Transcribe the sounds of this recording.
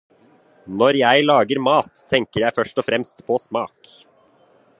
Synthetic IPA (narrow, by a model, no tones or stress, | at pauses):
nɔɾjæɪlɑːɡəɾmɑːt̪ʰːɛŋkəɾjæɪfœʃʈɔfɾɛmst̪pʰoːsmɑːk